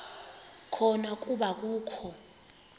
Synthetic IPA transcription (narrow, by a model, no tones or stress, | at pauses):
kʰɔnak̬ʼuɓak̬uːkʰɔ